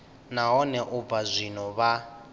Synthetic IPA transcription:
naɦɔnɛʔub̪vazʷinɔβa

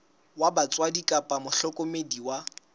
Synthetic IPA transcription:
wabat͡sʼwadikʼapʼamʊɬɔkʼomediwa

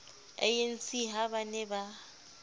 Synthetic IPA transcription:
ɛ̰jen̩sʼiɦabanɛba

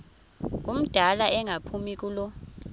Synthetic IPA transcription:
k̬ʼum̩d̥ʱalaʔɛŋʱapʰumik̬ʼulɔ

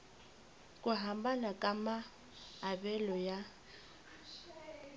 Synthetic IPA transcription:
kʼʊɦambanakʼamaː | bɛlɔja

